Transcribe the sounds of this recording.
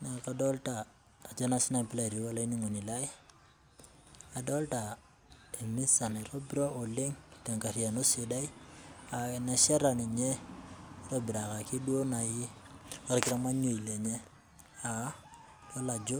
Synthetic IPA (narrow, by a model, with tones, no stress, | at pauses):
na˨kadɔ˦ltaː˨ | d͡ʒo˦na˦sɪ˦na˨pi˦la˦˨ɾi˨wa˦la˦i˦ni˦ŋo˨ni˨la˦j | a˨dɔ˦lta˨ | e˨mi˦sa˨neɾo˦biɾo˦ʔo˨le˦ŋta˨ŋka˨ɾi˨a˨no˦si˦da˦ja˨na˦ʃa˦ɾa˨ni˨ɲe˦ | ɾo˦bi˨ɾa˨ka˨ki˦du˦o˦na˨ji˦a˦ɾkɪɾa˦ma˦ɲo˨i˨le˨ɲe˦ | a˨ | lo˦la˨d͡ʒo˦